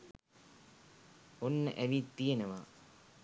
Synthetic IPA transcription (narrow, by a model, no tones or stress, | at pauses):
onːəʔæʋit̪ːijenəʋa